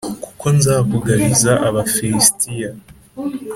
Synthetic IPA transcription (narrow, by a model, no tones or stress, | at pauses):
ku̥ko̞nzaːvuɡaɾizaʔaβafiɾistija